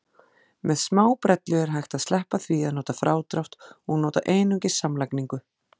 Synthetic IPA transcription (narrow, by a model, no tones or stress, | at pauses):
mɛðsmaːwpɾɛt̪lʏɛɾ̥ɦajxt̪aðslɛhpaθviaðnoːt̪afɾaːwt̪ɾaw̥t̪ɔɣnoːt̪a̰ʔeːjnʏŋcɪ̥samlajkniŋkʏ